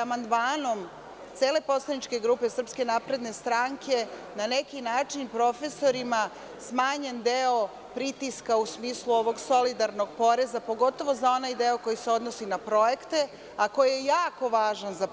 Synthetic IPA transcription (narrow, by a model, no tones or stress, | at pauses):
amand̪maːno̞m | t̪seːle̞po̞slˠanit͡ʃke̞ɡɾuːpe̞sr̩pske̞naːpɾe̞d̪ne̞st̪ɾaːŋkʰe̞ | nane̞kinaːt͡ʂinpɾo̞fe̞so̞ɾima | smaːɲe̞nd̪eo̞ | pɾit̪iskausmiːslˠuo̞ʋo̞ɡso̞lid̪aɾno̞ɡ̚po̞ɾe̞zapo̞ɡo̞t̪o̞ʋo̞zao̞najd̪eoko̞jiseo̞d̪nosinapɾo̞je̞kt̪e̞ | ako̞jijejaːko̞ʋaːʒanza